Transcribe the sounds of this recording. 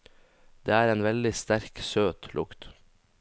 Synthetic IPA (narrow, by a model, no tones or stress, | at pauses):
d̪̥eːæːɾeːnʋɛld̪ɪst̪æɾksøːt̪lʔʊ̰kt̪